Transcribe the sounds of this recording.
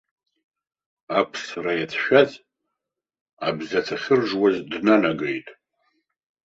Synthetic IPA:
apʰsrajat͡sʰʃᶣazʼ | abzat͡sʰaχʲɪrʐwazdnanaɡejtʼ

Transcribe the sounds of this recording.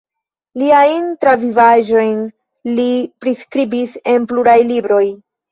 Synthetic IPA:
liajntɾavivaʒo̞jn | lipɾiskɾibise̞npluɾajlibɾo̞j

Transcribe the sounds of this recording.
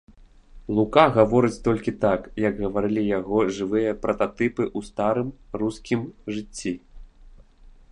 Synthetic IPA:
lˠukaɣavɔɾɨt͡sʲt̪ɔlʲkʲit̪akjɐɡɣɐvaɾɨlʲijaɣɔʐɨvɨjɐpɾɐt̪at̪ɨpɨʔust̪aɾɨmruskʲimʐɨt͡sʲːi

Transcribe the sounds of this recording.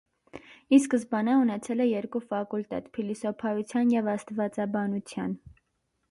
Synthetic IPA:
iskəsbɑnɑunɛt͡sʰɛlɛjɛɾkufɑkult̪ɛ̰t̪pʰilisɔpʰɑjut͡sʰjɑnjɛvɑst̪vɑt͡sɑbɑnut͡sʰjɑn

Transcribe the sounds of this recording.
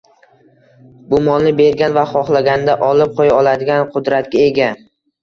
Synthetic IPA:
bʊmɒnnɪbe̞ɾɡʲanvaχɒχlˠaɡʲanɪd̪aʔɒlɪp̚qʰojaɒlˠad̪ɪɡʲanqʰʊd̪ɾat̪̚kʲae̞ɡʲa

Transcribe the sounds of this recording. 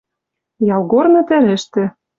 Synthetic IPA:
jɑlˠɣornɤ̆t̪ɘ̆lɘ̆ʃt̪ɘ̆

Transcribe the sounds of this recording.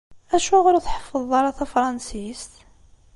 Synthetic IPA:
æʃuʁʊɾuθħə̥fːəðˤɑɾˤɑθæfɾˤɑnsist̪

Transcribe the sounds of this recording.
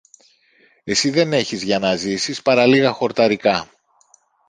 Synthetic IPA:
e̞siðe̞ne̞çizʝɐnɐzisispɐɾɐliɣɐxo̞ɾt̪ɐɾikɐ

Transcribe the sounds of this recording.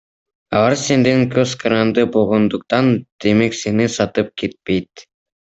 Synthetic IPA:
ɑ̰lˠɑɾse̞nd̪eŋkøzqʰɑɾɑnd̪ɯbolˠʁond̪uq̚t̪ɑnd̪̥e̞me̞kse̞nisɑt̪ɯp̚kʰe̞t̪̚pe̞jt̪

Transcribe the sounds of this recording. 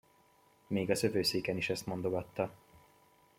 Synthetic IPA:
meːɡɒzø̞vøːseːkɛniʃɛst̪mo̞nd̪o̞ɡɒt̪ːɒ

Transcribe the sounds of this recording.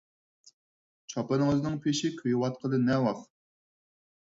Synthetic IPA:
t͡ʃʰɑpɨnɨŋøzɪnɨŋpʰeʃikʲʰøjwɑt̪̚qʰəlˠɨnɛwɑχ

